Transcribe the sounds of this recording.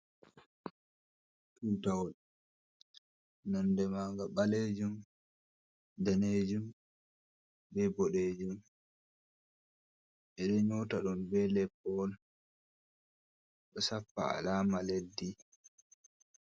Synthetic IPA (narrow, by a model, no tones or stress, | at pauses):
tutawɔl | nɔndɛmaŋɡaɓaleːd͡ʒum | daned͡ʒum | bɛbɔɗeːd͡ʒum | ʔɛɗɛɲɔtaɗɔmbɛlɛpːɔl | ɗɔsapːa̰a̰laːmaledːi